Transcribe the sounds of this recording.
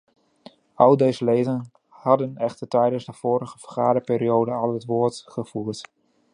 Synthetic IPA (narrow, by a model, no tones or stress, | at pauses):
ɑlˠdejzəlejdən | hɑdənɛχtəɹtɛjdənzdəv̥oːɾəɣəv̥ərχaːdəpɪːɾiowdəɑlˠɦətʋoːɹtχəv̥uːt